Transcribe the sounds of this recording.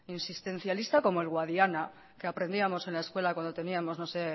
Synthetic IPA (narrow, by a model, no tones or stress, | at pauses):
insist̪e̞n̟θjalist̪ako̞mo̞elɣwaðiana | ke̞apɾe̞nd̪iamo̞se̞nlae̞skwe̞lakwand̪o̞t̪e̞niamo̞zno̞se̞